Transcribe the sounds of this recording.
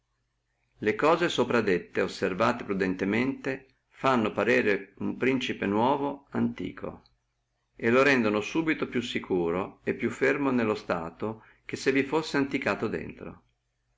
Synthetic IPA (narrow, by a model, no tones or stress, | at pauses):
lekɔːzesopɾad̪et̪ːeosːervaːt̪epɾud̪ent̪ement̪e | fanːopaɾɛːɾeumpɾint͡ʃipenwɔːvoant̪ḭːkʰo̰ | eloɾɛnd̪onosuːbit̪opjusːikʰuːɾoepːjufːermonelːost̪a̰ːt̪o | k̟esːevifosːeant̪ikaːt̪od̪ḛnt̪ɾo̰